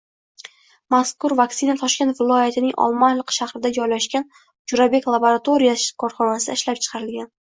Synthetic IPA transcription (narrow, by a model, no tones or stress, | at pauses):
maskʊɾvaksɪnat̪ʰɒʃkʲe̞nt̪vɪlˠɒjat̪ʰɪnɪŋʔɒ̰lˠmanlˠɨqʃahɾɪd̪ad͡ʒɒjlaʃkʲan | d͡ʒʊɾabe̞klˠaboɾat̪ʰo̞ɾijakʰɒɾχɒnasɪd̪a̰ɪʃlap̚t͡ʃʰɨ̥qʰɑɾɪlɡʲan